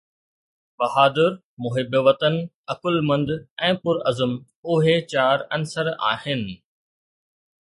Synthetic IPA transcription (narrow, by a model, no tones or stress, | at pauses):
bɐɦaːd̪ɪɾ | mʊɦɪbʋɐt̪ən | ɐkʊlmɐ̃nd̪ɛ̃ːpʊɾɐzəm | ʊɦet͡ɕaːɾɐnsəɾa̰ːhɪnɪ̆